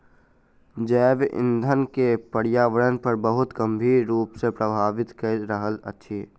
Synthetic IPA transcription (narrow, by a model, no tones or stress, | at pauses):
d͡ʒɛːʋʔɪ̰̃nd̪ʱənkepəɽijaːʋəɽənpəɾbəɦʊt̪kəmbʱiɾɾuːpsepɾəbʱaːʋɪt̪kəɾəɦələ̰tːʃʰiː